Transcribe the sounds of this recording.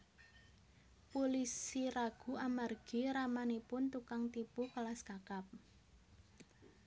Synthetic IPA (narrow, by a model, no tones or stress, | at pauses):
polisiɾaɡ̥ṳamarɡ̥i̤ɾamanipʊnt̪ukaŋt̪ipukəlaskakap̚